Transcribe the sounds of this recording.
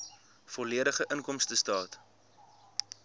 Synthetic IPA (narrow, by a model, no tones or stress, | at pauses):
fɔliəɾəχəʔənkɔmstəstɑːt